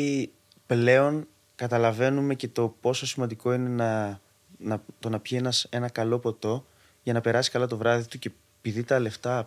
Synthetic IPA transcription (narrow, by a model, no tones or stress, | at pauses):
ple̞o̞n | kɐt̪ɐlɐve̞nume̞ce̞t̪o̞po̞so̞simɐnd̪iko̞ine̞nɐ | nɐt̪o̞nɐpçienɐse̞nɐkɐlo̞po̞t̪o̞ | ʝɐnɐpe̞ɾɐsi̥skɐlɐt̪o̞vɾɐðit̪uce̞ | piðit̪ɐle̞ft̪ɐ